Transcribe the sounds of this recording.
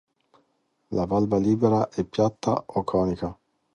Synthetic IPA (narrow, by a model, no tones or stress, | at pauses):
lavalbaliːbeɾaʔɛpːjat̪ːa̰okʰːɔːnika